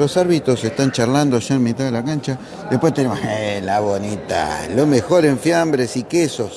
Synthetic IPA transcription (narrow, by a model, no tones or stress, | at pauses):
lo̞saɾβit̪ɾo̞sest̪ant͡ʃarland̪oʃaenmit̪aðelakant͡ʃa | ðehpwest̪enemoselaβonit̪a̰lomexo̞ɾe̞ɱfjambɾesikeso̞s